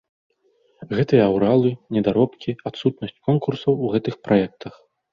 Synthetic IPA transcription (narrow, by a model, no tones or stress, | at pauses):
ɣɛt̪ɨjɐːwɾalˠɨnʲɛd̪aɾɔpkʲiat̪sut̪nɐsʲt͡sʲkɔnkursɐwuɣɛt̪ɨxpɾajɛk̚t̪ʰɐx